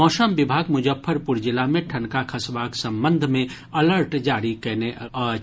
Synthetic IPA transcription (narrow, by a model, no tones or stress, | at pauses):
ɔːsəmʋɪbʱaːɡmʊd͡ʒəfʰːəɾpʊɾd͡ʒɪlamẽʈʰɐ̃nkakʰəsʋaːksɐ̃mbə̃nd̪ʱmẽ | ɐləɾʈd͡ʒaːɾikɛne